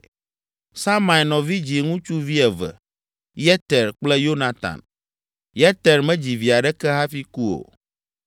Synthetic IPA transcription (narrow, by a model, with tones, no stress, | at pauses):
sa˦ma˨i˨nɔ̃˨vi˦d͡ʑi˨ŋũ˦t͡ʃu˦vi˦ɛ˨vɛ̰˨ | jɛ˦t̪ɛ˨ɾk͡plɛ˦jo˦na˨t̪ã̰˨n | jɛ˦t̪ɛ˨ɾmɛ̃˦d͡ʑi˨vi˨a˨ɖɛ˦kɛ˦ɦa˦fi˦ku˦o̰˨